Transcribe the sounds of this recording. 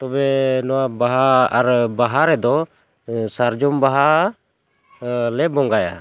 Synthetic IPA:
t̪ɔbɛnɔwabaɦaaɾbaɦaɾɛd̪ɔ | saɾd͡ʒɔmbaɦa | lɛbɔŋɡaja̰

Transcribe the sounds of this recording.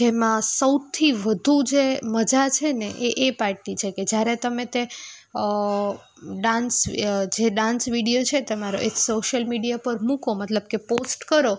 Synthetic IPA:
d͡ʒemãsəwt̪ʰiʋəd̪ʱud͡ʒeməd͡ʒat͡ʃʰeneʔeʔːpaɾʈit͡ʃʰeked͡ʒjaɾet̪əmet̪e | ɖãnsd͡ʒeɖãnsʋiɽijot͡ʃʰet̪əmaɾoʔeksoʃəlmiɽijapəɾmũkomət̪ləbkeposʈkəɾo

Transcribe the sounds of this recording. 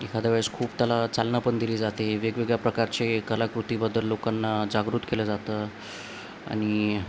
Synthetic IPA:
ekʰad̪əʋaskʰuːpt̪jalat͡salnapəɳd̪iliːd͡zat̪eʋeɡʋeɡɭjapɾəkaɾt͡ɕekəlakɾut̪iːbəd̪ʱːəlːokanːad͡zaɡɾut̪keləd͡zat̪əː | a̰ɽ̃i

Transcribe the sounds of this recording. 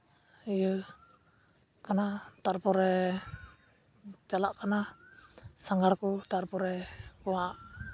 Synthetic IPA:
ijə | kanat̪arpɔɾɛ | t͡ʃalaʔkana | saŋɡarkut̪arpɔɾɛkuaʔ

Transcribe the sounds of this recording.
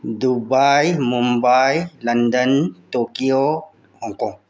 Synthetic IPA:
dubajmumbajlɐndəntokio | hɔ̃ŋkɔ̃ŋ

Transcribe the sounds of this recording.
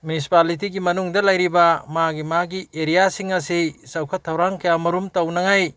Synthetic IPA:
mjunisi̥palit̬iɡimɐnuŋdɐlɐjɾibɐmaɡimaɡiʔeɾijasiŋɐsisɐwkʰɐtʰːɐwɾaŋkɐjamɐɾumtɐwnɐŋaj

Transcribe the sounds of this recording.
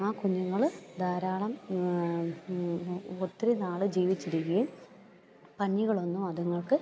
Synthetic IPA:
aːkuɲːuŋːɐɭd̪ʱɐːɾaːɭɐm | ot̪ːɾinaːɭɨd͡ʑiːʋit͡ɕːiɾikʲːijum | pɐnːiɣɐɭo̞nːumɐðuŋːɐɭkɨ

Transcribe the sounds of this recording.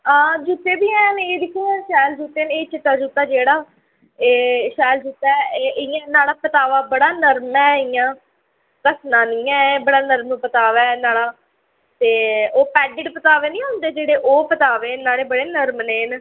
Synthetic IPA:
aːd͡ʒuːt̪ːeːbiːɛ̃ːneːd̪ɪkʰːiːãːʃɛːld͡ʒuːt̪eːneːt͡ʃɪt̪ːaːd͡ʒuːt̪ːaːd͡ʒeːɽaː | eːʃɛːld͡ʒuːt̪ɛeʔɪjãːnaːɽaːpət̪aːʋaːbəɽaːnəɾmɛːɪjãː | kəsnãːnĩːɛ̃ːbəɽaːnəɾmnũːpət̪aːʋɛːnaːɽaː | t̪eːoːpɛːɖɪɖpət̪aːʋeːnĩːɦʊ̃nd̪eːd͡ʒeːɽeːʔoːpət̪aːʋeːnaːɽeːbəɽeːnəɾmneːn

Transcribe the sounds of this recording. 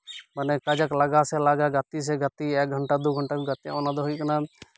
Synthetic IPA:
mənɛkəd͡ʒəkləɡasɛlaɡaɡət̪is̬ɛɡət̪iɛk̚ɡʱəɳʈad̪uɡʱəɳʈaɡət̪ja̰ɔnad̪ɔɦujkəna

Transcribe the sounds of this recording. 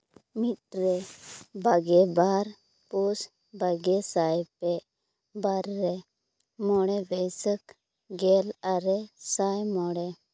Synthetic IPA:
miʈ̚ɾɛbaɡɛbaɾ | pus | baɡɛsajpɛ | baɾːɛ | mɔɽɛbəjsək | ɡɛlaɾɛsajmɔɽɛ

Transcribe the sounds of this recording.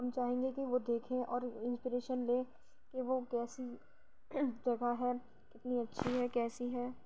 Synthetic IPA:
ɦɐmt͡ʃaːɦẽːŋɡekiʋod̪eːkʰẽʔɔːɾɪ̃nspiɾeːʃənlẽː | keʋokɛːsi | d͡ʒɐɡaɦɛː | kɪt̪niɐtːʃʰiɦɛːkɛːsiɦɛː

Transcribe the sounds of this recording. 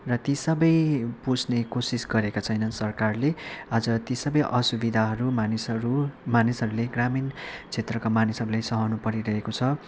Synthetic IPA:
rʌt̪isʌbʌjpusʰnekosisɡʌɾekot͡sʰʌjnʌnsʌrkarlead͡zʌt̪isʌbʌjʔʌsubid̪ʱaɦʌɾumanisɾumanisɦʌɾuleɡramint͡sʰet̪rʌkamanisɦʌɾulajsʌɦʌwnupʌɾiɾʌɦekot͡sʰʌ

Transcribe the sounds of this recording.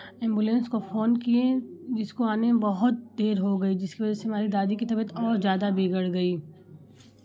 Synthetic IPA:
ɛ̃ːmbulẽnskofoːnkiẽd͡ʒɪskoaːnebɐɦʊt̪̚d̪eːɾɦoɡɐid͡ʒɪskiʋɐd͡ʒɛseɦɐmaːɾid̪aːd̪ikit̪ɐbət̪ʰɔːɾzjaːd̪abʱiɡəɽɡɐiː

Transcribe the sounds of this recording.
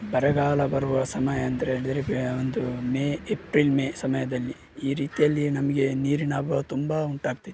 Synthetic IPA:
bɐɾɛɡaːlɐbɐɾuʋɐsɐmɐjɐːnd̪ɐɾeɦeːɭid̪ɐɾeond̪umeːepɾilmeːsɐmɐjɐd̪ɐlːi | iːɾiːt̪ijɐlːinɐmɐɡe̞niːɾinaːbɐt̪umbauɳʈaːɡ̚t̪id̪

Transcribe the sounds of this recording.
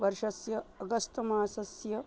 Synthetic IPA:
ʋɐɾʂɐsjɐːɡɐst̪ɐmaːsɐsjɐ

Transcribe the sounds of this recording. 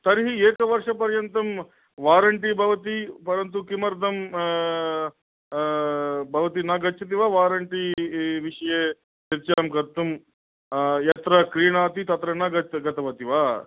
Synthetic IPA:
t̪ɐɾɦieːkɐʋɐɾʂɐpɐɾjɐnt̪ɐm | ʋaːɾɐɳʈibʱɐʋɐt̪ipɐɾɐnt̪̬ukimɐɾd̪ʱɐm | bʱɐʋɐt̪̬inaɡɐt͡ʃʰːɐt̪̬iʋaːʋaːɾɐɳʈiʋiʂɐjeː | t͡ʃiɾt͡ʃaːmkɐɾt̪ːum | jɐt̪ɾɐkɾiːɳaːt̪it̪ɐt̪ɾɐnɐɡɐɡɐt̪ɐʋɐt̪iʋaː

